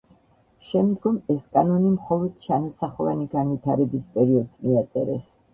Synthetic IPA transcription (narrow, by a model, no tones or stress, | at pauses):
ʃɛmd̪ɡɔmɛskʼanɔnimχɔlˠɔd̪̥̚t͡ʃʰanasaχɔva̰niɡanvit̪ʰaɾɛbispʼɛɾiɔd̪zmiat̪sʼɛɾɛs